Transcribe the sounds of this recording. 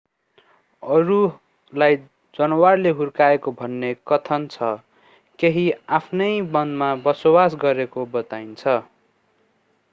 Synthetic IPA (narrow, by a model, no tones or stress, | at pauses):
ʌɾu | laj | d͡zʌnʌwarleɦurkaekobʱʌnːekʌt̪ʰʌnt͡sʰʌ | keɦiapʰnʌjbʌnd̪mabʌsobas̬ɡʌɾekobʌt̪aint͡sʰʌ